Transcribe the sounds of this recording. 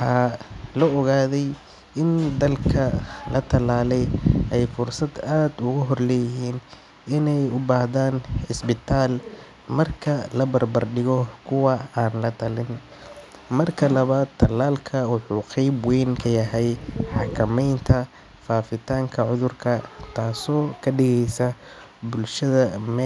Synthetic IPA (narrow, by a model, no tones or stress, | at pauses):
wħħɑːlɔɔɣaːðɛj | ʔɪnd̪ɐlkʰɐlɐt̪ʰɐlaːlɛjʔɛjfʊrsɐd̪aːd̪ʊɣʊɦɔrlɛːjɪɦiːn | ɪnɛjʊbaːhðaːnɪsbɪt̪ʰaːl | mɐrkʰɐlɐbɐrbɐrɖɪɣɔkʰʊwɑaːnlɐt̪ʰɐlɪn | mɐrkʰɐlɐβaːd̪ʰɐlaːlkʰɐwɑħuːqɛjbwɛjŋkʰɐjɐɦɛjħɑkʰɐmɛjnt̪ʰɐ | faːfɪt̪ʰaːŋkʰɐʕʊðʊrkʰɐt̪ʰaːsɔːkʰɐɖɪɣɛjsɐ | bʊlʃɐðɐmɛ